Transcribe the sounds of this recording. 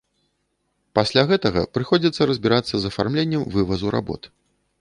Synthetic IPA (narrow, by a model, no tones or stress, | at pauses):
pasʲlʲaɣɛt̪ɐɣɐ̰pɾɨxɔd͡zʲit̪sːɐɾɐzʲbʲiɾat̪sːɐzɐfarmlʲenʲːɛmvɨvɐzuɾʔa̰bɔ̰t̪